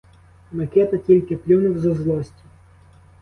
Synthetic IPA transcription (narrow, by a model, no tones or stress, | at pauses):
mɐkʲɛt̪ɐtʲilʲkʲɪplʲunʊwzɔzlˠɔsʲtʲi